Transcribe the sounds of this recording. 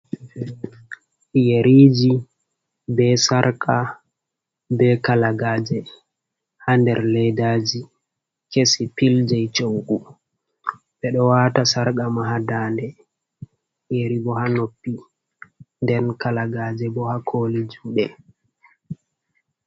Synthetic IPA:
jeɾiːd͡ʒi | bɛsaɾkʰa | bɛkalaɡaːd͡ʒɛ | handɛɾlɛjdaːd͡ʒi | kesipild͡ʒɛjt͡ʃoŋɡu | ɓɛɗɔwatasaɾɡamaɦadaːndɛ | jeɾibɔhanopːi | ndɛnkalaɡaːd͡ʒɛbɔhakʰoːlid͡ʒuːɗɛ

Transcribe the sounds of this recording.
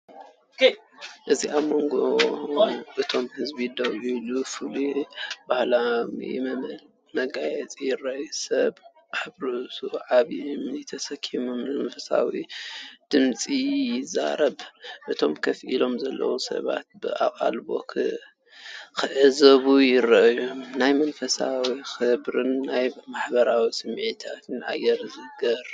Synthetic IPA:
ʔɨziʔamo̞ŋɡo | ʔɨt̪ʰo̞mhɨzbid̪ɐwʔilufɨlubahlamjɛ̰mɐmɐl | mɐɡajɛt͡sʼijɪrajusɐβ | ħɨβɾutʰuʕaβimɪt̪ʰɐsɐkʰːimummɐfɨsa̰wid̪̥ɨmt͡sʼijɪza̰ɾɐβʔɨt̪ʰo̞mkʰɐfʔilo̞mzɐlːɐ̰wusɐ̰βa̰t̪̚bɨʔakʼa̰lbo̞̰kʰɨ | kʰɨʔɨzɐβujɪɾːɐʔjomnajmɐnfɐsawixɨbɾɨnːajmaħbɐɾawisɨmʕit̪ʰat̪ʰɨna̰jːɛɾzɨɡɐɾ

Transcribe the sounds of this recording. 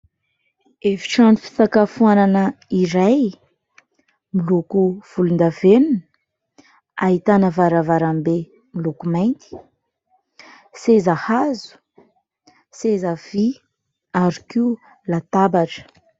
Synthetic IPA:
evi̥ʈ͡ʂanufi̥sakafuananəiɾaj | milukuv̥ulund̪avenuni | aɦit̪anəvaɾavaɾambe | milukumajnt̪i̥ | sezahazu̥ | sezav̥i | aɾikiu | lat̪abaʈ͡ʂə̥

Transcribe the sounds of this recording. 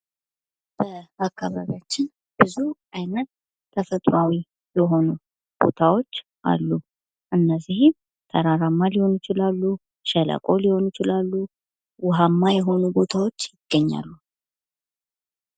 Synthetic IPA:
b̥əakːaβaβjat͡ʃːɪn | b̥ɨzuʔajnət̪ːʰ | əfət̪ʼɾawi | jɛɦo̞nu | b̥o̞̰t̪ʰawo̞t͡ʃː | ʔa̰lːu | ʔɨnːəzːihɪm | t̪ʰəɾaɾamːaliho̞njɪt͡ʃɪlalːu | ʃɛla̰kʼo̞liho̞njɪt͡ʃɪlalːu | wʊɦamːajɛɦo̞nubo̞t̪ʰawo̞t͡ʃːjɪɡ̥ːəɲːa̰lːu

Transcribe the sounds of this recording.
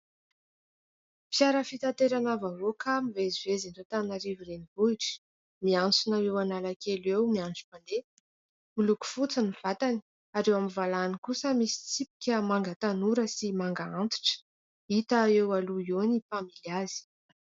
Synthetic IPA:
pjaɾəfit̪at̪eɾanavavokʰamivezivezinɖ͡ʐat̪anaɾiviɾenibuiʈ͡ʂə̥ | miant͡sunawewanalakʰelewmianʈ͡ʂu̥pand̪e | uluku̥fut͡səniv̥at̪ani | aɾewamivalanikusəmisi̥t͡sipi̥kʲəmaŋɡət̪anuɾəsimaŋɡaant̪u̥ʈ͡ʂə̥ | it̪aewaluionipamiliaz̥i̥

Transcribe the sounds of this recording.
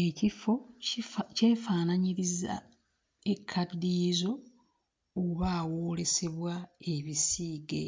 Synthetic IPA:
ecifo | ceːfaːnaɲiɾiza̰ | ekʰːadːiːzo̞ː | βaːwoːle̞se̞βwae̞βisiːɡḛ

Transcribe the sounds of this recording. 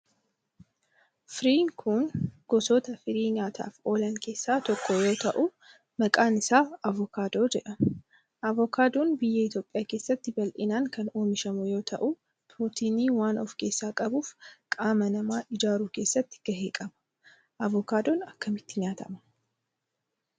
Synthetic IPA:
fɾiːŋkʰunɡ̥ɔsoːt̪ɐfɪɾiːɲaːt̪ʰa̰ːfo̞ːlɐŋkʰe̞ːsːaːt̪ɔkːɔjo̞ːt̪ɐʔu | mɐkʼaːnɪsaːɐvɔkaːd̪o̞ːd͡ʒɛᶑɐ | ʔɐvɔkaːd̪oːnbɪjːɐɪt̪jo̞ːpʼːɪjaːke̞ːsːɐt̪ːɪbɐlʔɪnaːŋkɐno̞ːmɪʃɐmʊjo̞ːt̪ʰɐʔu | puːt̪iːniːwaːnɔ̰fke̞ːsːaːkʼɐbuːfkʼaːmɐnɐmaːʔɪd͡ʒaːɾuːke̞ːsːɐt̪ːɪ̥ɡ̥ɐɦe̞ːkʼɐbɐ̥ | ʔɐvɔkaːd̪oːnɐkːɐmɪt̪ːɪɲaːt̪ɐmɐ̥

